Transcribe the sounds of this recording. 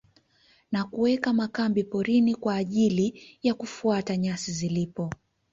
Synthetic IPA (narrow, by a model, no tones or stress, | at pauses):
nakuwɛkamakambipɔɾinikwaːʄilijakufuataɲasizilipɔ